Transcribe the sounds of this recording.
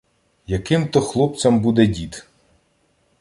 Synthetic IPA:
jɐkɪmt̪ɔxlˠɔp̚t͡sʲɐmbud̪ɛdʲit̪

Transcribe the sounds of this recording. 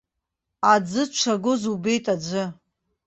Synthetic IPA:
ad͡zɨt͡ʃʷʰaɡʷʊzube̞jtʼad͡ʒʷɨ

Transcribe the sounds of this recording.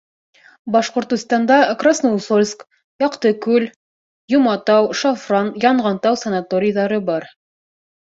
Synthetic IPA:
bɑʃqŏɾt̪ə̆st̪ɑnd̪ɑkrasnowsolʲsk | jɑqt̪ɤkʉl | jŏmɑt̪ɑwʃɑfrɑnjɑɴʁɑnt̪ɑwsɐnat̪oɾʲɪjðɑɾɤbɑɾ

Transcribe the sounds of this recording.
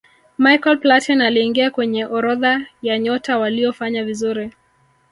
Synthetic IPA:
majkɔlplatʰɔnaliːŋɡiakwɛɲɛʔɔɾɔðajaɲɔtawaliɔfaɲavizuɾi

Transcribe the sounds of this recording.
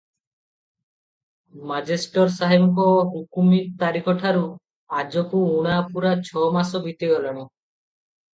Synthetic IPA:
mad͡ʒesʈɔɾsaɦimkɔɦukumit̪aɾikʰɔʈʰaɾu | ad͡ʒɔkuuɽ̃apuɾat͡ʃʰɔmasɔbʱit̪iɡɔlɔɽ̃ɔ

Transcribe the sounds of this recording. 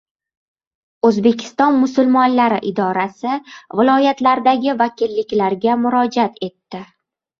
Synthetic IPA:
ɵzbe̞kʲʰɪ̥st̪ɒnmʊsʊlmɒnlaɾɪʔɪd̪ɒɾasɪvɪlˠɒjat̪laɾd̪aɡʲɪvakʲɪlːɪkʲlaɾɡʲamʊɾɒd͡ʒat̪e̞t̪ːɪ

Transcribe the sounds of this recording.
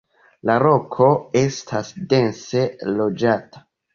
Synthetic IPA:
laɾo̞kʰo̞e̞stʰasde̞nse̞lo̞d͡ʒatḁ

